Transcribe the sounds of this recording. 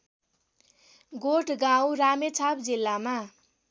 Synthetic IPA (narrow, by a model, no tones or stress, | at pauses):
ɡoʈʰɡawramet͡sʰapd͡zilːama